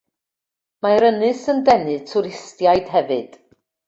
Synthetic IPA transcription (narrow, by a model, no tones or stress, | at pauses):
maɾənɨsəndɛnɨtʰʊɾɪstjajd̥ɦɛvɨd̥